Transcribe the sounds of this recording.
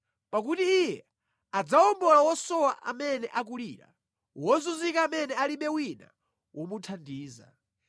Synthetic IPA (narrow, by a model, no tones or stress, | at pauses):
pak̬utiːjɛ̰ | ad͡zaɔmbɔlawɔsɔwaʔa̰mɛnɛʔak̬uliːɾa̰ | wɔzuzikaːmɛnɛaliɓɛwina̰ | wʔɔmutʰandiːza̰